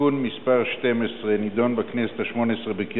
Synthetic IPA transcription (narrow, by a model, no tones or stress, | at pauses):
unmispaʁʃtemesʁenid̪o̞nbakneset̪haʃmo̞nesʁebeki